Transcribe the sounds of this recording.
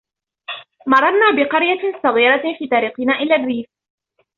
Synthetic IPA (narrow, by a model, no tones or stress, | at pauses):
mɑɾˤɑɾnaːbɪqɑɾjasˤɑɣiːɾɑfiːt̪ɑɾiːqɪnaːʔɪlaːrːiːf